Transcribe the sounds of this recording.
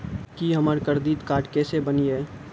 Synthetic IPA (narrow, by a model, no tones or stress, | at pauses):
kiɦɐməɾkəɾd̪iːt̪kaːʈkeːsebəniɦɛː